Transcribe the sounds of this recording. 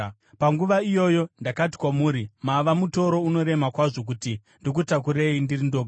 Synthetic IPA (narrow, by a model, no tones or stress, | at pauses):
paŋɡuʋaijo̞jo̞ndakati̥kwamuːɾimaʋamuto̞ɾo̞uno̞ɾe̞makwaʐo̞k̬uti | ndok̬utak̬uɾeindirindoɡʱa